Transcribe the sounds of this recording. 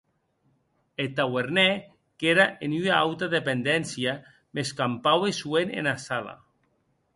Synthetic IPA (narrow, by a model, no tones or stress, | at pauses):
et̪aweɾnɛ | keɾaʔenyaawt̪aðepend̪ɛnsja | meskampawesuenḛnasala̰